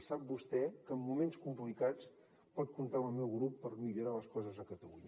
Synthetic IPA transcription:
sap̚bust̪ɛkəmːumenskumplikat͡s | pɔt̪̚kunt̪aəlˠmɛwɣɾupːəɾmiʎuɾaləskɔzəzəkət̪əluɲ

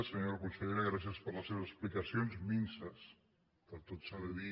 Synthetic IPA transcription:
səɲoɾakunsəʎeɾaɣɾas̬jəspəɾləseβəzəsplikɐsjonzminsəs | pəɾt̪ot̪saβəði

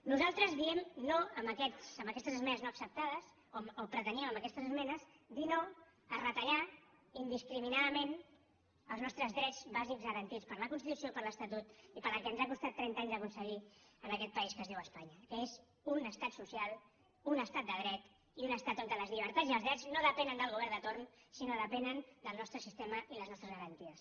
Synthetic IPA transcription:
nuzalˠt̪ɾəzðiɛmnoəmbəkɛsəmbəkɛst̪əzəzmɛnəznoəksəp̚t̪aðəz | omopɾət̪əniəməməkɛst̪əzəzmɛnəz | d̪ino | ərət̪əʎa | ind̪iskɾiminaðəmen | əlˠznɔst̪ɾəzðɾɛtd͡zzβazikzɣəɾənt̪ispəɾləkunst̪it̪usiopəɾləst̪ət̪ut̪ipəɾəkɛənzakust̪at̪ːɾɛnt̪aɲzðəkunsəɣiənəkɛt̪̚pəiskəzðiwəspaɲəkəez | unəst̪at̪susialˠ | unəst̪at̪d̪əɣɾɛt̪ | iunəst̪at̪oŋkəðəzʎiβ̞əɾt̪aziəlˠzðɾɛznoðəpɛnənd̪əlˠɣuβɛɾnd̪ət̪oɾnsinoðəpɛnənd̪əlˠnɔst̪ɾəsist̪eməʔiləznɔst̪ɾəzɣəɾənt̪iəs

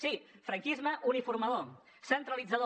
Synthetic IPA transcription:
sifɾɐŋkizməʔunifuɾmaðo | sənt̪ɾəlid͡zaðo

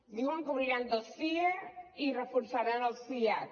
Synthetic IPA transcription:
d̪iwəŋkuβɾiɾand̪əlˠsiəirəfuɾsaɾanəlˠsia

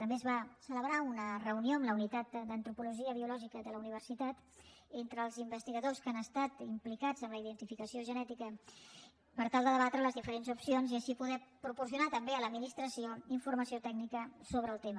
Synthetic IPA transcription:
t̪əmbezβasələβ̞ɾaunərəunioəmləunit̪at̪d̪ənt̪ɾupuluʒiəβiulɔʒikəðələuniβ̞ərsit̪at̪ | ent̪ɾəːlˠzimbəst̪iɣəðoskanəst̪at̪implikad͡zəmləiðənt̪ifikəsioʒənɛt̪ikə | pəɾt̪alˠd̪əðəβat̪ɾələzðifəɾenzupsionziəʃipuðɛpɾupuɾsiunat̪əmbeələd̪̚minist̪ɾəsioiɱfuɾməsiot̪ɛɡnikəsoβɾəːlˠt̪emə

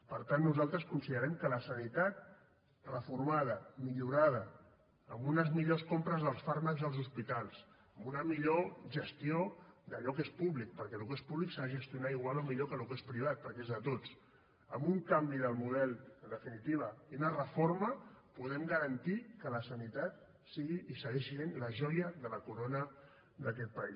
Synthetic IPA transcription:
pəɾt̪anːuzalˠt̪ɾəskunsiðəɾɛmkələsənit̪at̪̚ | rəfuɾmað̞əmiʎuɾað̞əː | mbunəzmiʎoskompɾəzðəlˠsfaɾməkzðəlzuspit̪alˠs | əmbunəmiʎoʒəst̪iod̪əʎɔkespuβlik̚pəɾkɛlukespuβliksaðəʒəst̪iunaiɣwalomiʎokəlukespɾiβ̞at̪̚pəɾkezðət̪ot͡s | əmbuŋkambiðəlˠmuð̞ɛlənd̪əfinit̪iβ̞əiunərəfoɾməpuðɛmɡəɾənt̪ikələsənit̪at̪ | siɣiʔːsəɣɛʃienləʒɔjəðələkuɾonə | d̪əkɛt̪̚pəis

